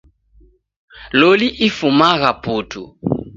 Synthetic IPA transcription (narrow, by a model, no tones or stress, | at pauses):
loliʔifumaɣaputʰṵ